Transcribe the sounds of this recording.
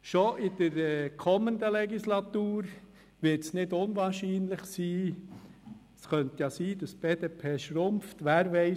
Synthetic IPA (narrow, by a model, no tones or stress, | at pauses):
ʃoʔɪd̥̪əɾkʰɔmːənd̪əlɛɡislɑt̪uːɾ | ʋɪɾtsnɪdʊnʋɑːɾʃiːnlɪχsiː | sχœnt̪jɑsiːd̥̪ɑsb̥eːd̥̪eːpʰeːʃɾʊmft̪ʋæːɾʋɛɪ